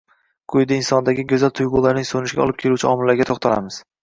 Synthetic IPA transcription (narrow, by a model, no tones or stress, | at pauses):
kʰʊjd̪ainsɒnd̪aɡʲɪɡʲozalt̪ʰʊjʁʊlaɾnɪŋsonɪʃɡʲaɒ̰lˠɪp̚kʲʰe̞luwt͡ʃʰɪɒmɪlːaɾɡʲat̪ʰoχt̪ʰala̰mɪz̥